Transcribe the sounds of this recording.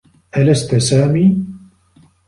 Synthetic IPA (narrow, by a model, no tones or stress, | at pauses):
ʔalast̪saːmiː